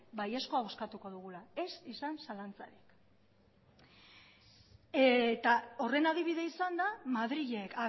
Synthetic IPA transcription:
bajesko̞ao̞skat̪uko̞ðuɣ̞ulae̞sisansalant͡sa̰ɾik | et̪ao̞re̞naðiβ̞iðe̞isand̪amaðɾiʎeka

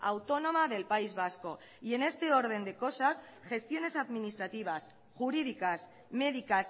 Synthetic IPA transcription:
a̰wt̪o̞no̞maðe̞lpaizβasko̞ | ie̞ne̞st̪e̞o̞ɾð̞e̞nd̪e̞ko̞sas | xe̞st̪jo̞ne̞saðminist̪ɾat̪iβ̞as | ʝuɾið̞ikas | me̞ðikas

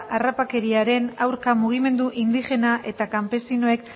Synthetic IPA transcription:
ʔarapake̞ɾiaɾe̞nawɾkamuɣ̞ime̞nd̪uʔind̪ixe̞naʔe̞t̪akampe̞sinoe̞k

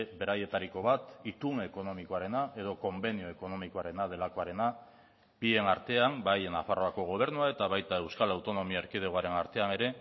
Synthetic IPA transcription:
βe̞ɾaje̞t̪aɾiko̞βat̪it̪uŋeko̞no̞mikoaɾe̞naʔe̞ð̞o̞ko̞mbe̞nio̞e̞ko̞no̞mikoaɾe̞nað̞e̞lako̞aɾe̞na | bie̞naɾt̪e̞ambajna̰faro̞ako̞ɣ̞o̞β̞e̞ɾnuae̞t̪aβajt̪ae̞wskalawt̪o̞no̞miaeɾkiðeɣoaɾe̞naɾt̪e̞ane̞ɾe̞

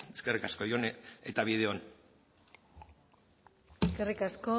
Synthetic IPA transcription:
e̥skerikasko̞jone̞t̪aβið̞eon | eskerikasko

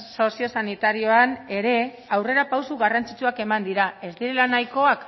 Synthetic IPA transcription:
so̞sio̞sanit̪aɾio̞ane̞ɾe̞ | awre̞ɾapawsuɣarant͡sit͡ʃuake̞mand̪iɾae̞zd̪iɾelanajko̞ak

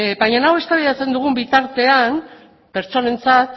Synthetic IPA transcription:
bajɲanawe̞st̪aβiðat͡se̞nd̪uɣ̞umbit̪aɾt̪e̞an | pe̞ɾt͡so̞ne̞nt͡sat̪

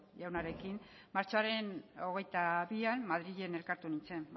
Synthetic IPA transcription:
jawnaɾe̞kin | maɾt͡ʃoaɾe̞no̞ɣ̞e̞jt̪aβianmaðɾiʎe̞ne̞lkaɾt̪unint͡se̞m

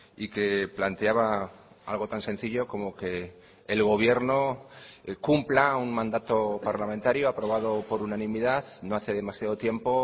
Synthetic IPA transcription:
ike̞plant̪eaβa | a̰lɣ̞o̞t̪ansẽ̞n̟θiʎo̞ko̞mo̞ke̞ː | lɣo̞β̞je̞ɾno̞ | kumplauŋmãnd̪at̪o̞paɾlamẽnt̪aɾjoapɾo̞β̞að̞o̞po̞ɾunanĩmiðaðno̞aθe̞ðe̞masjað̞o̞t̪je̞mpo̞

